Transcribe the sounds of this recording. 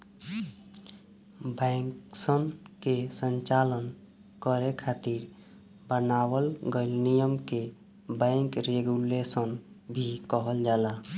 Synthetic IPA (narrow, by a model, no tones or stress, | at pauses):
bə̃ɪŋksənkesə̃nt͡ʃalən | kəɾekʰat̪iɾ | bənawəlɡelnijəmke | bə̃ŋkɾeɡulesən | bʱikəɦəld͡ʒala